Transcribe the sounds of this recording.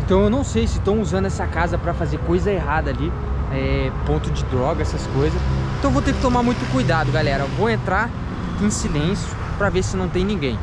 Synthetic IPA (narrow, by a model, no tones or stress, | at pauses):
ẽnt̪ɐ̃w̃ewnɐ̃w̃sejsɪst̪ɐ̃w̃uzɐ̃nd̪ʊɛsɐkazɐpɾɐfazeɾkojzɐeɦad̪ɐali | ɛpõt̪ʊd͡ʒɪd̪ɾɔɡɐɛsɐskojzɐsẽt̪ɐ̃w̃vowt̪eɾkɪ̥t̪omaɾmũj̃t̪ʊkujd̪ad̪ʊɡalɛɾɐvowẽnt̪ɾaɾ | ẽsilẽsjʊ | pɾɐvesɪnɐ̃w̃t̪ẽj̃nĩɡẽj̃